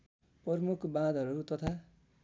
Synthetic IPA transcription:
prʌrmukʰbãd̪ʱʌɾuɾut̪ʌt̪ʰa

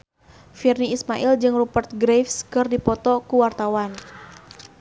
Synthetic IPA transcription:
firniːsmaʔild͡ʒɨŋrupərt̪̚ɡɾefskɨrdipɔt̪ɔkuwart̪awan

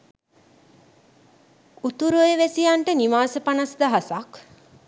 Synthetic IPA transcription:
ut̪uɾueʋesijaɳʈəniʋaːsəpanasd̪aɦasak

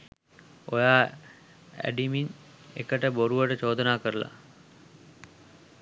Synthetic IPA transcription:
ojaː | æ̰ɖimin | ḛkəʈəboɾuʋəʈət͡ʃoːd̪ənaːkəɾəla̰

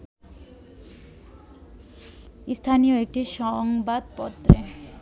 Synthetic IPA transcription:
ist̪ʰanioek̚ʈiʃɔŋbad̪pɔt̪ːɾe

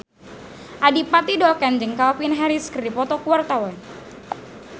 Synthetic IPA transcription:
ʔadipat̪idɔlkand͡ʒɨŋkalpinɦaɾiskripɔt̪ɔkuwart̪awan

